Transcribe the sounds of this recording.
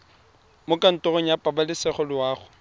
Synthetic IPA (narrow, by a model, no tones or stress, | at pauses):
mʊkʼan̩tʼɔrɔɲ̩japʼabalɪsɛχɔlɪwaːχʊ